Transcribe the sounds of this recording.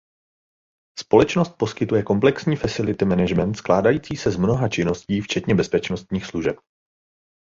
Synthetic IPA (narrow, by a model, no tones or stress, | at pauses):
spo̞lɛt͡ʃno̞st̪̚po̞skɪt̪ujɛko̞mplɛksɲiːfasɪlɪt̪ɪmɛnɛʒmɛnt̪sklaːdajiːt͡siːsɛzmno̞ɦat͡ʃɪno̞sciːft͡ʃɛt̪ɲɛbɛspɛt͡ʃno̞st̪ɲiːxsluʒɛp̚